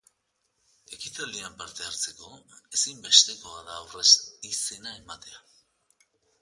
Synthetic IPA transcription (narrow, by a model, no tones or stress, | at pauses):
e̞kit̪aliampaɾt̪e̞aɾt͡se̞ko̞e̞simbe̞st̪e̞ko̞aðaːwre̞sise̞nae̞mat̪e̞a